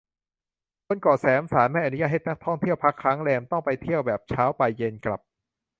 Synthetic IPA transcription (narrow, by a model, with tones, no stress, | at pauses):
kʰo˧nkɔː˨˩sɛː˩˦msaː˩˦nma˥˩jʔa˧˩nu˦ja˧ʔɦe˨˩t̪̚na˦˥k̚t̪ʰɔ˥˩ŋt̪ʰi˥˩əwpʰa˦˥kʰːɾaː˦˥ŋɾɛː˧mt̪ɔ˥˩ŋpa˧jt̪ʰi˥˩əwbɛː˨˩p̚t͡ɕʰaː˦˥wpa˧jːe˧nkla̰˨˩p̚